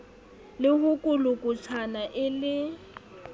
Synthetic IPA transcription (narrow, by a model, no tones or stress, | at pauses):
lɪɦʊkʼʊlʊkʼʊt͡sʰanaʔɪlɪ